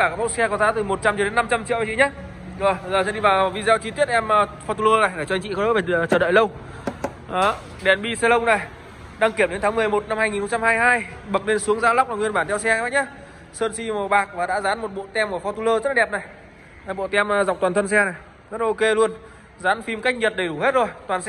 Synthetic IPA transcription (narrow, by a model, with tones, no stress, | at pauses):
aː˧˩kaː˦˩kmo˦˥t̚sɛ˧kɔ˨˦zaː˨˦t̪ɨ˨˩mo˨˩t̚t͡ɕa˧mt͡ɕɔ˧˦e˨˦nːa˧mt͡ɕa˧mt͡ɕḭ˧˨wʔa˨t͡ɕi˧˨˦ɲa˨˦˥ | zo˨˩jzəː˨˩sɛ̰˧˥ɗi˧vaː˨˩wvi˧zɛː˧t͡ɕi˧t̪i˦˥ət̚ʔɛ˧m˧fɔ˧t̪u˧ləː˧na˨˩jɗe˧˩t͡ɕɔ˧ŋt͡ɕḭ˧˨˩ə̰ː˨˦˥ve˨˩˨t͡ɕəː˧˩ɗə̰ː˧˨jlə˧w | ʔaː˨˦ | ɗɛ˨˩nɓi˧sɛ˧lə˧wna˨˩j | ɗaː˧ŋki˧˩əmɗe˨˦nt̪ʰːŋmɨ˨˩əjmo˨˩t̚na˧mhaː˧jŋi˨˩n˨xə˧ŋ͡mt͡ɕa˧mhaː˧jɦaː˧j | ɓə˨˩k̚ne˧nsu˨˦əŋzaː˨˧˦lwk͡p̚la˨˩ŋwi˧ənɓaː˧˩nt̪ʰɛ˧wsɛ˧aː˧˦˥jɲaː˨˦ | səː˧nsi˧mo˨˩ɓaː˨˩k̚vaː˨˩ɗa̰ː˧˥zaː˨˦nmo˨˩t̚ɓo̰˧˨t̪ɛ˧mku˧˩fɔ˧t̪u˧ləː˧zə˦˥t̚la˨ɛ˨˩p̚na˨˩j | ɓo̰˧˨t̪ɛ˧m˨zwk͡p̚t̪aː˨˩nt̪ʰə˧nsɛ˧na˨˩j | zə˦˥lʔo˧ke˧lu˧ən | zaː˨˦nfi˧mka˦˥jk̟̚ɲə˨˩t̚ɗə˧˩jɗu˧˩he˦˥t̚zo˨˩jt̪waː˨˩ns